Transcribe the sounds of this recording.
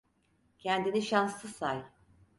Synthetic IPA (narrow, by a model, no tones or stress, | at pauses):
cʰɛnd̪iniʃanslˠɯsaj